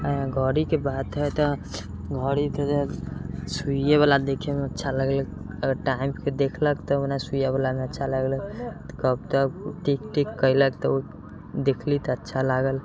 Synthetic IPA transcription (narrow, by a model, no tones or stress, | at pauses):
əɦãɡʱəɽikebad̪ɦəjt̪ɔ | ɡʱəɽit̪ed͡ʒesueβalad̪ekʰemeətːʃʰaləɡlək | əɡəɾʈaimked̪ekʰləkt̪ɔonasujabalameətːʃʰaləɡləkt̪kəb̚t̪əkʈikʈikːəjləkt̪ɔo | d̪ekʰlit̪ɔətːʃʰalaɡəl